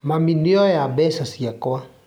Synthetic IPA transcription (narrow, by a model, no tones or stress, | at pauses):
maminiɔjabɛsasiakɔa